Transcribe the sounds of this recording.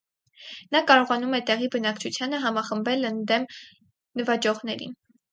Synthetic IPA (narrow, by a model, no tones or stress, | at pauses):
nɑkɑɾɔʁɑnumɛt̪ɛʁibənɑkt͡ʃʰut͡sʰjɑnəɦɑmɑχəmbɛlənd̪ɛm | nəvɑt͡ʃɔʁnɛɾḭn